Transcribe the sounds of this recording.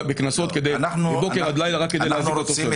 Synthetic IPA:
beknaso̞t̪ke̞d̪ejnanubebokead̪lajlaʁakːedelaziot̪oe

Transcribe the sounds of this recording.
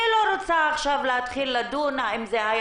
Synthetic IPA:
iloɾot͡saːχʃavlehat̪χilːad̪unaimzehaj

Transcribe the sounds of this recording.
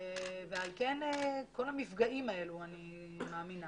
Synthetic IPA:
vealke̞neko̞lamifɡaʔimae̞luani | maːmina

